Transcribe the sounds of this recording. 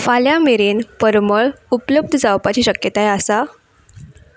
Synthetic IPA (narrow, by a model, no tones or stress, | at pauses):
faljameɾenpəɾməɭupləb̚d̪ʱəd͡zawpat͡ɕiːɕəkjət̪ajeasa